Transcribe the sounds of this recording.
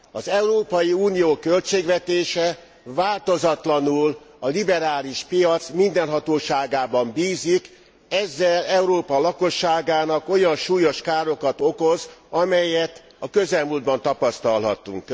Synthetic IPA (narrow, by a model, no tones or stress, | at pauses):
ɒzɛuɾoːpɒjiuːnijoːkølt͡ʃeːɡʋvɛt̪eːʃɛ | vaːlt̪o̞zɒt̪lɒnulɒlibɛɾaːliʃpijɒt̪smind̪ɛnɦɒt̪oːʃaːɡaːbɒmbiːzik | ɛzːɛlɛuɾoːpɒlɒko̞ʃːaːɡaːnɒko̞jɒnʃuːjoʃkaːɾo̞kɒt̪o̞ko̞zɒmɛjɛt̪ | ɒkø̞zɛlmuːld̪̚bɒnt̪ɒpɒst̪ɒlɦɒ̰t̪ːṵŋk